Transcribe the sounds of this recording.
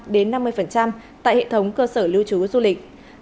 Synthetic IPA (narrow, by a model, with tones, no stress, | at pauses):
ɗe˨˦nːa˧mːɨ˧əjfə˨˩nt͡ɕa˧m | t̪a̰ː˧˨jhḛ˧˨t̪ʰə˨˦wŋ͡mkəː˧səː˧˩li˧wt͡ɕu˨˦zu˧lï˨˩k̚